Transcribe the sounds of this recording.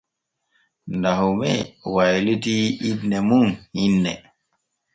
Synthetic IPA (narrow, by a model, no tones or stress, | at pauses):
ndaɦumɛwajlutiːdnɛmunhinːɛ̰